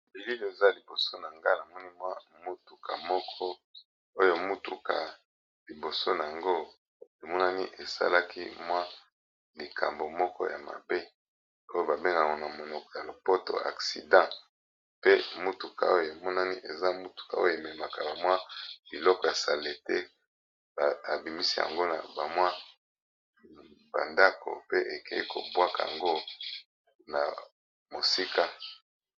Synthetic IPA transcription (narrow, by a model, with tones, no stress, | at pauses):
bi˨li˦lo˦˨e˨za˦li˨bo˨so˦na˨ŋɡa˦na˨mɔ˦ni˦mwa˦mu˦tu˨ka̰˨mɔ˦kʰɔ˦ | o˦jo˨e˨mu˦tu˨ka˨ | li˨bo˨so˦na˨a˨ŋɡo˦ | e˨mɔ˦na˦ni˦ʔe˨sa̰˦la˦kʰḭ˦mwa˦ | li˨kʰa˨mbo˨mɔ˦kɔ̰˦ja˨ma̰˨be˦ | o˦jo˦ba˨be˦ŋɡa˨ŋɔ˨na˨mo˨nɔ˨kɔ̥˨ja˨lo˨po˦to̰˨a̰˨ksḭ˨dã˦ | pe˦mu˦tu˨ka˨o˦jo˨e˨mɔ˦na˦ni˦ʔe˨za˦mu˦tu̥˨ka̰˨o˦je˨me˨ma˨ka˨ba˨mwa˦b̥i˨lɔ˦kɔ˨ja˨sa˨le˨te˦ | ba˨a̰˨bi˨mi˦si˦ja̰˨ŋɡo˦na̰˨ba˨mwa˦ | ba̰˨nda˦ko̰˨pe˦ʔe˨ke˦i˦kʰo̰˨bwa˦ka˨a̰˨ŋɡo˦ | na̰˨ | mo˨si˦ka˦